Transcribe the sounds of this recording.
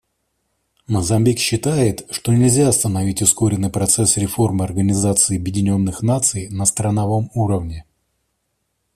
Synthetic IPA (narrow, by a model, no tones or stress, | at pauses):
məzɐmʲbʲikɕːɪt̪ajɪt̪ʂt̪o̞nʲɪlʲzʲast̪ənɐvʲitʲʊsko̞ɾʲɪnːɨjpɾɐt̪sɛsɾʲɪfo̞rmɨɐrɡənʲɪzat̪sɨːɐbjɪdʲɪnʲo̞nːɨxnat̪sɨjnəst̪ɾənɐvo̞muɾəvnʲɪ